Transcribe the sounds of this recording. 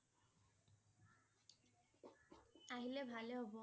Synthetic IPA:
aɦilebʱaleɦɔbo

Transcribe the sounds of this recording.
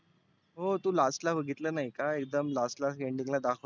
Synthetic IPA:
ɦot̪uːlasʈlaʋəɡʱit̪ləːnaɦikaekd̪əmlasʈlasɡeɳɖiŋlad̪akʰ

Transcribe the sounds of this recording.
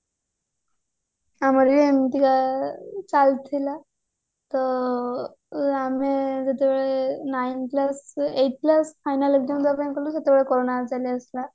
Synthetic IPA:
aməɾlent̪ikat͡salt̪ʰila | t̪ə | amed͡zət̪eʋeɭenajinpləseʈ̚pləsfajnaləɡ̚d̪iməd̪ʱapankəɾlusat̪ebeɭekoɾonat͡saleəsla

